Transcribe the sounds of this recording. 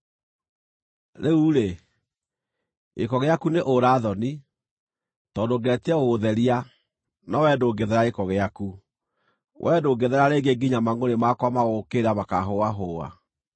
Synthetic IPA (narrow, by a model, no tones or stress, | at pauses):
ɾeuɾe | ekɔɣeakuneʔoɾaːðɔni | tɔːndoɡɛtiɛɣoðɛɾia | nɔwɛːdoːɡeðɛɾaekɔɣeaku | wʔɛdoɡeðɛɾaɾeːɡeɡiɲamaŋonemakwamaɣokeɾamakaɦoaɦoa̰